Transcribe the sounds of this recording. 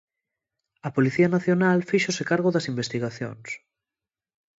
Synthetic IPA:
ɐpoliθianaθjonalfiʃosekaɾɣoðɐsimbest̪iɣ̞aθjo̰ŋs

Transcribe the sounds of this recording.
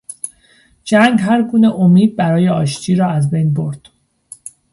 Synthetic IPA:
d͡ʒæŋɡɦæɾɡuːneʔomiːd̪̚bæɾɒːjeɒːʃt͡ʃʰiːɾɒːæzbejnbo̞ɾd̪̥

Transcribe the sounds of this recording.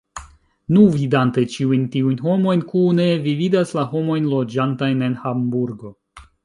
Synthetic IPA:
nuvidante̞t͡ʃiujntiujnɦo̞mo̞jnkune̞vividaslaɦo̞mo̞jnlo̞d͡ʒantajne̞nhambuɾɡo̞

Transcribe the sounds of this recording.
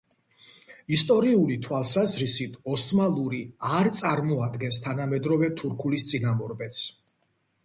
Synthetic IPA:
ist̪ʼɔɾiulit̪ʰwalˠsazɾisit̪ʰɔsmalˠuɾiaɾt̪sʼaɾmɔad̪ɡɛnst̪ʰanamɛd̪ɾɔvɛt̪ʰuɾkʰulist̪sʼinamɔɾbɛt̪s

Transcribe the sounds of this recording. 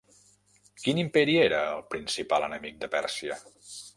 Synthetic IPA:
kinimpɛɾieɾəːlˠpɾinsipalənəmik̚d̪əpɛ̰rsiə

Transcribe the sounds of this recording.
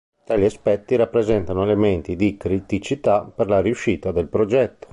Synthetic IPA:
t̪aliaspɛt̪ːiɾapːɾezɛnt̪anoelement̪id̪ikɾit̪it͡ʃit̪aperlaɾiuʃːiːt̪ad̪elpɾod͡ʒɛt̪ːo̥

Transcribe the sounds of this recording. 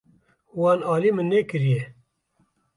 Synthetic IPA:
wɑːnɑːliːmɨnːeːkɨɾije

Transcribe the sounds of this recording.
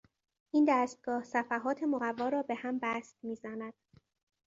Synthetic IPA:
ʔiːnd̪æːst̪̚ɡ̥ɒːhsæfæɦɒːt̪ʰe̞moɣævːɒːɾɒːbe̞hæmbæst̪miːzænæd̪̥̚

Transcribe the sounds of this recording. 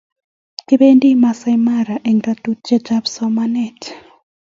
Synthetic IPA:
kibendimasajmaɾaʔɛŋdatut̚t͡ʃɛd͡ʒabsɔmanɛt

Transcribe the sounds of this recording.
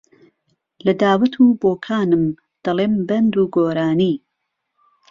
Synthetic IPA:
lɐd̪aːwɐt̪ʰuːboːkʰaːnɨm | d̪̥ɐleːmbɐnd̪uːɡoːɾaːniː

